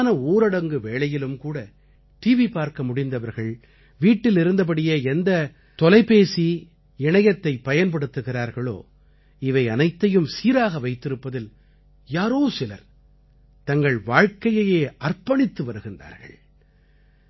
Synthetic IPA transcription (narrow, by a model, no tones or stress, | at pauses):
nɐoːɾɐɽɐŋɡɯʋeːɭɐjɪlɯmkuːɽɐ | ʈiːʋipaːɾkɐmʊɽɪnd̪ɐʋɐɾɣɐɭ | ʋiːʈːɪlɪɾɯnd̪ɐp̬ɐɽɪjɐɛnd̪ɐ | t̪ɔlɐɪpeːsi | ɪɳɐjɐt̪ːɐɪpːɐjɐnp̬ɐɽɯt̪ːɯɣɪɾaːɾɣɐɭo̰ː | ɪʋɐɪɐnɐɪt̪ːɐjɯmsiːɾaːɣɐʋɐɪt̪ːɪɾɯpːɐðɪl | jaːɾoːsɪlɐ̰ɾ | t̪ɐŋɡɐɭʋaːɻkɐjɐjeːʔɐrpɐɳɪt̪ːɯʋɐɾɯɣɪnda̰ːɾɣɐ̰ɭ